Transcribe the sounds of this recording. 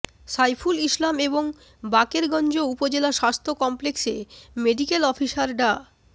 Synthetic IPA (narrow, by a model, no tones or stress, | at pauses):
sajpʰuliʃlameboŋ | bakeɾɡɔnd͡ʑoupod͡ʑelaʃast̪ʰokɔmpleksemeɖikelɔfiʃaɾɖa